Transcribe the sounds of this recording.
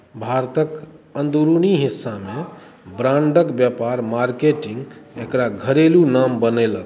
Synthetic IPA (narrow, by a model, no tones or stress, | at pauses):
bʱaɾt̪əkənd̪uɾuniɦisːame | bɾãɳɖəkbjapaɾmaɾkeʈiŋɡekɾaɡʱəɾelunambənɛlək